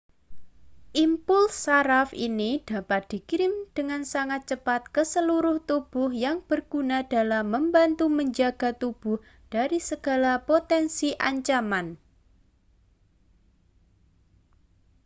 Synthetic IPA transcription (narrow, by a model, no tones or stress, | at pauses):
ʔimpʊlsːaɾafḭnid̥apat̪̚d̪̥i̤kiɾɪmd̥əŋansaŋat̪̚t͡ʃəpat̪̚kəsəluɾʊht̪ub̥ʊhjaŋb̥ərɡ̥unad̥a̤lamːəmbant̪uməɲd͡ʒaɡ̥a̤t̪ub̥ʊh | d̥aɾisəɡ̥a̤lapot̪ɛnsiʔa̰ɲt͡ʃaman